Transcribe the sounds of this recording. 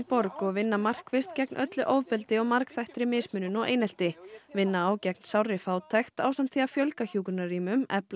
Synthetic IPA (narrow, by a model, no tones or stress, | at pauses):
pɔɾkɔɣvɪnːamar̥kvɪst̪cɛknʔœt̪lʏʔowvpɪlt̪ɪɔɣmaɾkθajht̪ɾɪmɪːsmʏnʏnɔɣḛːjnɛl̥t̪ɪvɪnːaaːwcɛk̚nsawrːɪfaːwt̪ʰaxt̪aːwsamt̪θiafjœlkaçuːkʏɾnariːmʏmɛ̰pl